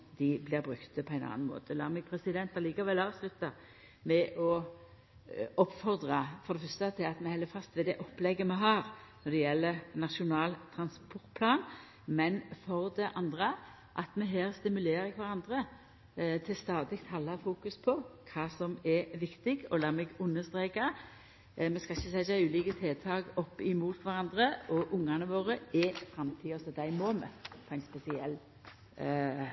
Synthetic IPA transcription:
d̪ɪblɪɾbɾʉkt̪əpʰɔæɪnɑ̰ːnnmo̰ːt̪ʰəlɑ̰ːmɛɡ̚pʰɾɛsɪd̪ɛnt̪ɑliːkɑʋɛlɑːʋslʉt̪ːɑ | mɛʔɔ | ɔpːfɔʁd̪ʁɑfɔʁd̪ɛfœst̪ət̪ʰɪlɑt̪mɛhɛlːəfɑst̪ʋɛd̪ɛʔɔpːlɛɡːəmɛɦɑːɾnɔd̪ɛjɛlːəɾnɑʂʊnɑːlt̪ʰɾɑnspʰɔʁt̪̚pʰlɑːn | mɛnfɔʁd̪ɛʔɑnd̪ʁə | ʔɑt̪mɛɦæːʁst̪ɪmʉleːɾɪkʰʋɑʁɑnd̪ɾə | t̪ʰɪlst̪ɑːd̪ɪkt̪hɑlːɑfuːkʉspʰɔkʰɑːsɔmɛʋɪkt̪ɪɡɔlɑːmɛɡʉnːəst̪ɾeːkɑ | mɛskɑɪçəsɛɑʉːliːkət̪ʰeːt̪ʰɑːɡɔpːɪmuːt̪ʰʋɑʁɑnd̪ʁəɔʔʊŋːɑnəʋoːʁəɛfɾɑmt̪ʰiːɔsɔd̪æɪmoːmɛ̰pʰɔæɪnspɛsɪɛlː

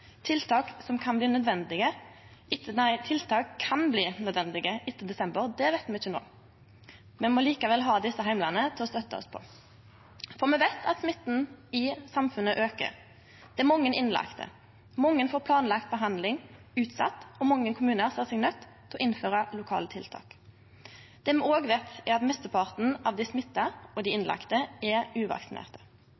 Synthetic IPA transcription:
t̪ʰɪlt̪ʰɑːksɔmkʰɑnbliːnœd̪ʋɛnd̪ɪɡəɪt̪ːəæɪt̪ʰɪlt̪ʰɑːkʰːɑnbliːnœd̪ʋɛnd̪ɪɡəʔɪt̪ːəd̪ɛsɛmbəʁd̪ɛʋæɪt̪mɛɪçːəno̰ː | mɛmɔliːkɑʋɛlɦɑːd̪ɪsːəɦæɪmlɑnət̪ʰɪlɔst̪œt̪ːəɔ̰spʰɔ̰ | fɔʁmɛʋæɪt̪ʰɑt̪smɪt̪ːn̩ɪsɑmfʉnːəʔøːkə̰ʁ | d̪̥ɛæmɔŋːənʔɪnlɑ̰kt̪ʰə̰ | mɔŋːənfoːɾpʰlɑːnlɑkt̪̚bəɦɑnd̪lɪŋʉːt̪sɑ̰t̪ːɔmɔŋːənkʰʊmʉːnəʁsɛsɛɡnœt̪ʰːɛlɔʔɪnføːʁɑlʊkʰɑ̰ːlət̪ʰɪlt̪ʰɑ̰ːk | d̪̥ɛːmɛoːɡʋeːt̪æɾɑt̪mɛst̪əpʰɑʁt̪n̩ɑʋd̪æɪsmɪt̪ːɑɾɔd̪ɪɪnlɑ̰kt̪əɛɾʉːʋɑ̰ksɪnḛːʁt̪ə̥

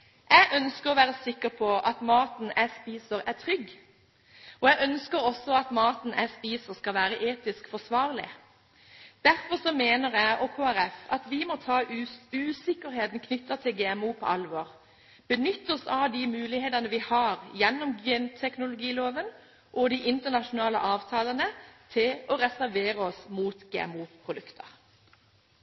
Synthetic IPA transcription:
æɪʔœnskəʁɔʋæːʁəsɪkːəʁpʰɔʔɑt̪mɑːt̪næɪspiːsəɾæʁt̪ʰʁʏɡː | ɔːæɡœnskəɾɔsːɔɑt̪mɑːt̪n̩ʔæ̰ɪspiːsəʁskɑlʋæːɾəʔeːt̪ɪskfɔsʋɑːʁlɪ̰ | d̪̥æɾfɔsɔmeːnəʁæɪʔɔːkʰoːæɾɛfɑt̪ʋɪmɔt̪ʰɑːʉːsɪkəɾɦeːt̪n̩kʰnʏt̪ːɑt̪ʰɪlɡeːɛmuːpʰɔ̰ʔɑlʋɔːʁ | b̥ənʏt̪ːɔsɑʋd̪iːmʉːlɪheːd̪ɑnəʋɪhɑːʁjɛnːɔmɡɛnt̪ʰɛknʊlʊɡiːloːʋən | ʔɔd̪iʔɪnt̪ənɑʃʊnɑːlə̰ʔɑːʋt̪ʰɑːlənət̪ʰɪlɔʁɛsæɾʋeːʁəɔsmuːt̪ɡeːɛ̰muːpʰʁʊd̪ʉkt̪ʰəʁ

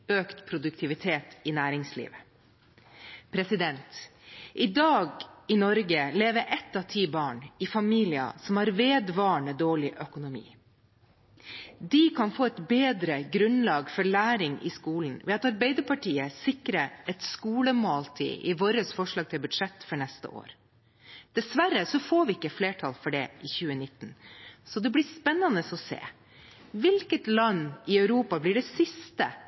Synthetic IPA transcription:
øːkt̪pʰɾʊd̪ʉk̚t̪ʰɪʋɪt̪ʰeːt̪ɪnæːɾɪŋslḭːʋə | pʰɾɛsɪd̪ɛnt̪ʔɪd̪ɑːɡɪnɔɾɡəleːʋəɾʔɛt̪ːɑʋt̪ʰiːbɑːɳɪfɑmiːlɪɑ̰sɔmhɑːɾʋeːd̪ʋɑːɳəd̪oːɭɪʔœkʊnʊmḭː | d̪ikʰɑnfoːɛt̪beːd̪ɾəɡɾʉnlɑːɡfɔɭæːɾɪŋɪ̰skuːln̩ʋɛɑt̪ɑɾbɛɪd̪əɾpɑʈiːəsɪkɾəɛt̪skuːləmoːlt̪ʰḭːʔɪʋoːɾəsfɔʂɭɑːɡ̚t̪ʰɪlbʉd̪ʂɛt̪ːfɔɳɛst̪ə̰ʔo̰ːɾ | d̪̥ɛsʋæɾəsɔfoːɾʋɪɪkːəfleːʈʰɑlfɔɖɛʔɪçʉːənɪt̪ːnsɔd̪ɛblɪspɛnːɑnəsɔsḛː | ʋɪlkət̪lɑnːɪœʉɾuːpɑblɪɖɛsɪst̪ə

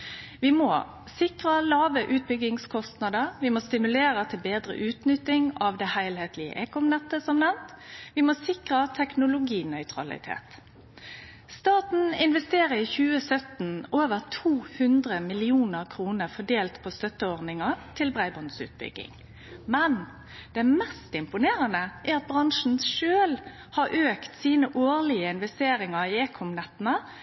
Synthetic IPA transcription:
ʋɪmoː | sɪkʁəlɑːʋəʔʉːt̪̚bʏɡɪŋskʰɔst̪nɑd̪əɾʋɪmoːst̪ɪmʉleːɾət̪ʰɪlbeːd̪ɾə̰ʔʉːt̪nʏt̪ːɪŋɑʋd̪ɛhæɪlheːt̪lɪə̰ʔeːkɔmnɛt̪ːəsɔmnɛmt̪ʋɪmoːsɪkʁət̪ʰɛknʊlʊɡiːnœʏt̪ʰʁɑ̰lɪ̰t̪ʰḛːt̪ | st̪ɑːt̪n̩ɪnʋɛst̪eːʁəiːçʉːəsœt̪n̩ʔoːʋəʁt̪ʰuːhʉnd̪ʁəmɪlɪuːnəɾkʰɾuːnəʁfɔɖeːlt̪pʰost̪œt̪ːəɔʁnɪŋɑt̪ʰɪlbʁæɪbɔnsʉ̰ːt̪̚bʏ̰ɡːɪ̰ŋ | mɛn | d̪̥ɛmɛst̪ɪmpʊneːʁənəʔæɾɑt̪̚bʁɑŋʂn̩ʂøːl | hɑɾʔøːkt̪siːnəʔoːlɪəɪnʋɛst̪eːɾɪŋɑɾiːeːkʰɔmnɛt̪nə

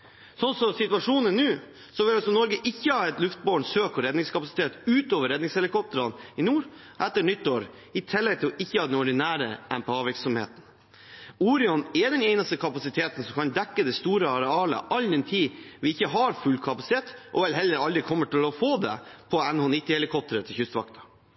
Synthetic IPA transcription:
sɔnsɔsɪt̪ʉɑʂuːnənːʉː | sɔʋɪlɑlsɔnɔɾɡəʔɪçːəhɑːɛt̪lʉft̪̚boːɳsøːkɔɾɛd̪nɪŋskʰɑpɑsɪ̥t̪ʰeːt̪ʉːt̪oːʋəɾːɛd̪nɪŋshɛlɪkʰɔp̚t̪əɾɑnɪnuːɾ | ʔɛt̪ːəɳʏt̪ːoːɾ | ɪt̪ʰɪlːɛɡ̚t̪ʰɪɔʔɪçːəhɑːd̪ɛnɔɖɪnæːɾə̰ʔɛmpɛɑːʋɪɾksɔmhḛːt̪n̩ | uːɾɪɔnɛd̪ɛnɛɪnəst̪əkʰɑpɑsɪt̪ʰeːt̪n̩sɔmkʰɑnd̪ɛkːəd̪ɛst̪uːɾəɑɾɛɑːlə̰ʔɑlːd̪ɛnt̪ʰiːʋɪɪçːəɦɑɾfʉlːkʰɑpɑsɪ̥t̪ʰeːt̪ʔɔ̰ʋɛlɦɛlːəɾɑld̪ɾɪkʰɔmːəʈɪlɔfoːd̪ɛ̰pʰɔɛnɔːnɪt̪ːɪhɛlɪkʰɔp̚t̪əɾət̪ʰɪlçʉst̪ʋɑ̰kt̪ʰɑ̥

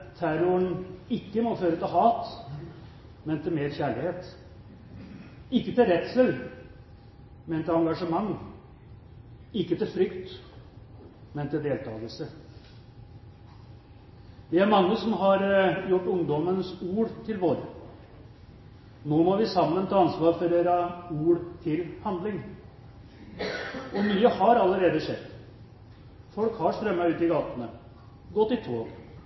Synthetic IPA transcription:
t̪ʰæɾʊəɳɪkːəmɔføːɾət̪ɪlɦɑːt̪ | mɛnt̪ʰɪlmeːɾçæːɭɪheːt̪ | ɪkːət̪ɪlɾɛt̪səl | mɛnt̪ɪlɑŋɡɑʂəmɑŋː | ɪkːət̪ɪlfɾʏkt̪ | mɛnt̪ɪld̪eːlt̪ʰɑːɡ̪əlsə | ʋɪæɾmɑŋːəsɔmɦɑɾjʊʈːʊŋd̪ɔmənsuːɾt̪ʰɪlʋoːɾə | noːmɔʋɪsɑmːənt̪ʰɑːɑnsʋɑːɾfɔɾeɾɑuːɽt̪ʰɪlhɑnd̪lɪŋ | ɔmyːəhɑɾɑlːəɾeːd̪əʂɛd̪ | fɔlkhɑɾʂt̪ɾœmːəʉːt̪ɪɡɑːt̪ənə | ɡɔt̪ːɪt̪ʰʋoː

